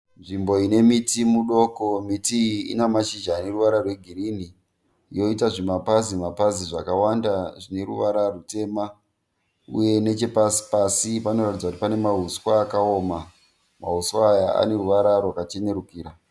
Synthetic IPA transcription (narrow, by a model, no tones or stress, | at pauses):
nʐimbo̞ine̞mitimuɗo̞komitiḭnamaʃid͡ʒaːne̞ruʋaɾarweɡʱirini | jo̞itaʐimapazimapaziʐakawandaʐine̞ɾuʋaɾarute̞ma | ṵje̞ne̞t͡ʃepasi̥pasipano̞ratid͡zakutipane̞maɦuswaːkaoːma | maɦuswajaa̰ne̞ruʋaɾarwakat͡ʃe̞ne̞ɾukiːɾa